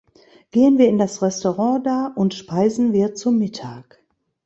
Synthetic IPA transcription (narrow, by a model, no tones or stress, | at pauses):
ɡ̥eːənviːɐɪndasʁɛstoʁɑ̃daːɐʔʊntʃpaɪzn̩viːɐt͡sumɪtʰaːk